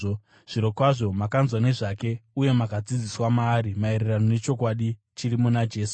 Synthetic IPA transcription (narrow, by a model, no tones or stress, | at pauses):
ʐ̥iɾo̞kwaʐo̞makanzwane̞ʐake̞uje̞makad͡zid͡ziswamaːɾimae̞ɾerano̞ne̞t͡ʃo̞kwaɗi | t͡ʃiɾimunad͡ʒe̞ːs